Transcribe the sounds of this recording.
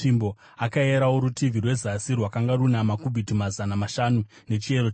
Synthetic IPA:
imbo̞ | akaeɾauɾutivʱirwe̞zasirwakaŋɡarunamakubʱitimazanamaʃanu | ne̞t͡ʃie̞ɾo

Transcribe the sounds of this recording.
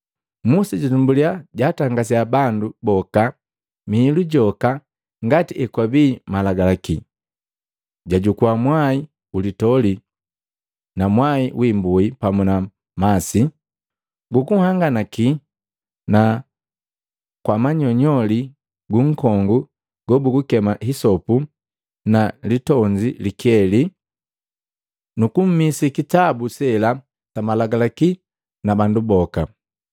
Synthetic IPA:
musiɟatumbuliaɟaːtaŋɡas̬iabandubɔka | miːluɟɔka | ŋɡatiʔɛkwabimalaɡalaki | ɟaɟukuamwai | ulitɔli | namwaiwʔimbuipamuna | masi | ɡukuhaŋɡanaki | na | kwamaɲɔɲɔli | ɡuŋ̩kɔŋɡu | ɡ̥ɔbuɡukɛmahisɔpu | nalitɔɲd͡ʒilikiɛli | nukum̩misikitabusɛla | tamalaɡalaki | nabandubɔka

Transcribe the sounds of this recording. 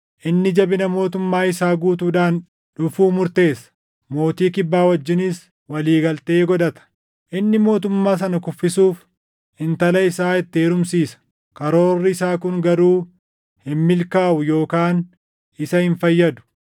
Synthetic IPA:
ʔɪnːɪd͡ʒɐbɪnɐmo̞ːt̪ʊmːaːɪsaːɡuːt̪uːᶑaːn | ᶑʊfuːmʊɾt̪e̞ːsɐ̥ | mo̞ːt̪iːkɪbːaːwɐd͡ʒːɪnɪs | wɐliːɡɐlt̪e̞ːɡɔᶑɐt̪ɐ̥ | ʔɪnːɪmo̞ːt̪ʊmːaːs̬ɐnɐkʊfːɪsuːf | hɪnt̪ɐlɐɪsaːɪt̪ːɪeːɾʊmsiːsɐ̥ | kɐɾo̞ːrːɪɪsaːkʊŋɡɐɾuː | hɪmmːɪlkaːʔʊjo̞ːkaːn | ɪsɐhɪnfɐjːɐd̪ʊ̥

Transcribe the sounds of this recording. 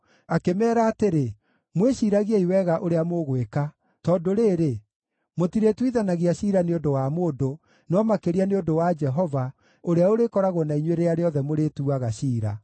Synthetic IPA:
akemɛːɾaːteɾe | mweɕiːɾaɣiaiwɛɣaʔoɾeamoɣweka | tɔːndoɾeːɾe | motiɾetwiðanaɣiaɕiɾaneondowamodo | nɔmakeɾianeondowad͡ʒɛɦɔva | oɾeaoɾekɔɾaɣonaiɲweɾeaɾeɔðɛmoɾetuaɣaɕiːɾa̰

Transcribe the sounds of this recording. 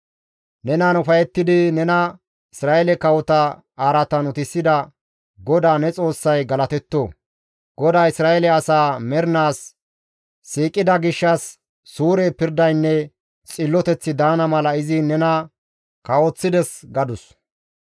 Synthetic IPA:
nɛnaːnʊfɐjɛt̪ːɪd̪ɪnɛnɐ | ɪsɾaːʔɛlɛkɐwɔt̪ɐ | aːɾɐt̪ɐnʊt̪ɪsːɪd̪ɐ | ɡɔd̪aːnɛt͡sʼo̞ːsːɐjɡɐlɐt̪ɛt̪ːoː | ɡ̥ɔd̪aːɪsɾaːjɛlɛɐsaːmɛɾnaːsː | iːkʼːɪd̪ɐɡɪʃːɐsː | uːɾɛpɪɾd̪ɐjnːɛ | t͡sʼɪlːɔt̪ɛt͡sːɪd̪aːnɐmɐlɐɪzɪnɛnɐ | kɐwɔt͡sːɪd̪ɛsɡɐd̪ʊs

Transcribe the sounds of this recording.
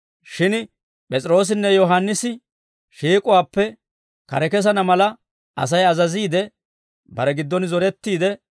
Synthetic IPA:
ʃɪn | pʼɛt͡sʼɪɾo̞ːs̬ɪnːɛjɔɦanːɪsɪ | ʃiːkʼʊwaːpːɛ | kɐ̰ɾɛkɛs̬ɐnɐmɐlɐ | ɐ̰s̬ɐjɐzɐziːd̪ɛ | bɐɾɛɡɪd̪ːɔnzɔɾɛt̪ːiːd̪ɛ

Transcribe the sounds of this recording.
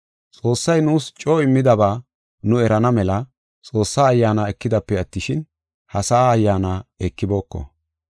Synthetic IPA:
t͡sʼo̞ːsːɐjnuːst͡ʃʼoːɪmːɪd̪ɐbaː | nʊɛɾɐnɐmɛlɐ | t͡sʼo̞ːsːaːɐjːaːnaɛkːɪd̪ɐpːɛɐt̪ːɪʃɪn | hɐsɐaːjːaːnaɛkːɪbo̞ːkːɔ̰

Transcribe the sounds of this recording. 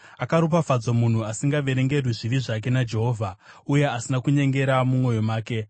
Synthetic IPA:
akaɾup̬afad͡zomun̤uasiŋɡaʋe̞ɾe̞ŋɡe̞rwiʐiʋiʐak̬e̞nad͡ʒe̞ɦo̞ːvʱa | uje̞asinakuɲe̞ŋɡe̞ɾamumwo̞jo̞maːke̞

